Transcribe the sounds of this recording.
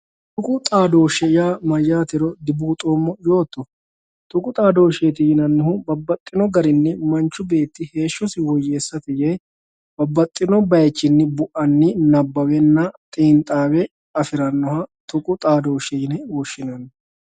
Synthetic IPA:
t̪ʊkʼʊt̪ʼaːd̪o̞ːʃɛjaːmɐjːaːt̪ɛɾɔd̪ɪbuːt̪ʼoːmːɔjo̞ːt̪ːɔ | t̪ʊkʼʊt̪ʼaːd̪o̞ːʃeːt̪ɪjɪnɐnːɪhʊbɐbːɐt̪ʼːɪnɔɡɐɾɪnːɪmɐnt͡ʃːʊbe̞ːt̪ːɪhe̞ːʃːɔsɪwɔjːe̞ːsːɐt̪ɪjeː | b̥ɐbːɐt̪ʼːɪnɔbɐjt͡ʃːɪnːɪbʊʔɐnːɪnɐbːɐwɛnːɐt̪ʼiːnt̪ʼaːwɛ | ɐfɪɾɐnːɔhɐt̪ʊkʼʊt̪ʼaːd̪o̞ːʃɛjɪnɛwɔʃːɪnɐnː

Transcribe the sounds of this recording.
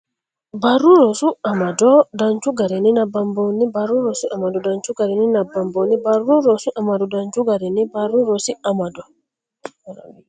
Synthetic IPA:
baɾuɾosuamadodaɲt͡ʃuɡaɾininabambonibaɾuɾosiʔamadɔdaɲt͡ʃuɡaɾininabambonibaɾuɾoɾosuʔamadodaɲt͡ʃuɡaɾinibaɾuɾosiamado

